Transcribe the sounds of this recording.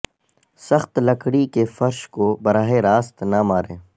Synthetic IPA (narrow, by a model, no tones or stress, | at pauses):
sɐxt̪lɐkɽikefɐɾʃkobɐɾaːɦeɾaːst̪namaːɾẽː